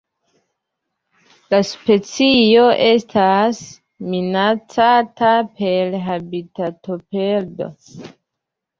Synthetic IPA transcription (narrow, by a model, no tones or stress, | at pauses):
laspe̞t͡sio̞ʔe̞stʰas | minat͡satape̞lɦabitato̞pe̞ɾdo̞̰